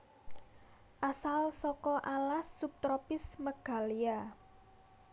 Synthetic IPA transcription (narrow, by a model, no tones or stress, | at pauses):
ʔasalsɔkɔʔalasːup̚t̪ɾɔpɪsməɡ̥a̤lia